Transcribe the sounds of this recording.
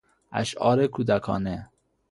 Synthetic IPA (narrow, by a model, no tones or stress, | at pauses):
æ̰ʃɒ̰ːɾekʰud̪ækʰɒ̰ːne